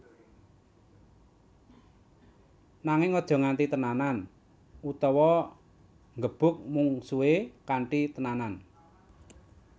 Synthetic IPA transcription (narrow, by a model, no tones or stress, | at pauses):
naŋɪŋɔd̥ʒ̥ɔ̤ŋaɳt̪it̪ənanan | ut̪ɔwɔ | ŋɡəb̥ʊ̤k̚muŋsuekaɳʈit̪ənanan